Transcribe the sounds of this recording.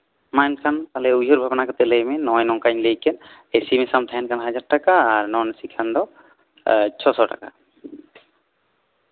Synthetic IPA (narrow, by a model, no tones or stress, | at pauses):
majnkʰant̪alɛuɦoɾbʱabnakɔt̪ɛləjmɛnɔjnɔkaɲləjkɛn | esimɛsamt̪ʰaɛnkʰanɦad͡ʒaɾʈakaːɾnɔnsikʰand̪ɔ | t͡ʃʰɔsɔʈa̰ka